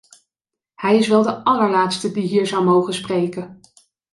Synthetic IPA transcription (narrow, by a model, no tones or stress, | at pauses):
hɛjɪsʋɛlˠdəɑləɹlaːtstədiɦiːɹzʌwmowχənsprejkən